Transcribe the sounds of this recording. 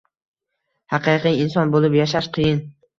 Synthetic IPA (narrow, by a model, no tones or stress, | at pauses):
hɑqɨqɨjɪnsɒnbolɪpjaʃ̬aʃqʰɨjɪn